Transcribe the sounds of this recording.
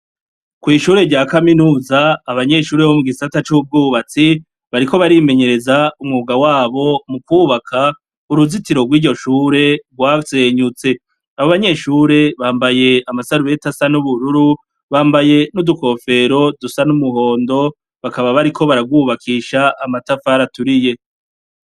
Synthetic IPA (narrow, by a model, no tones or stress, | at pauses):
kwiːʃuːɾe̞ɟaːkaminuːzaːβaɲe̞ʃuːɾeβomuɡisatat͡ʃub̚ɡuːβat͡si | βaɾiko̞βaɾime̞ɲe̞ɾe̞zaumŋuːɡawaːβo̞mukwuːβakʰa | uɾuzitiɾoɡwiːɟo̞ʃuːɾe̞ɡwaːseːɲut͡se̞ | aβoβaɲe̞ʃuːɾe̞βaːmbaje̞amasaɾuɾe̞tasanuβuɾuɾu | βaːmbaje̞nuduko̞ːfe̞ɾo̞dusanumuɦo̞ːndo̞ | βakaβaβaɾikʰo̞βaɾaɡwuːβakʰiːʃaʔːmatafaːɾatuɾije̞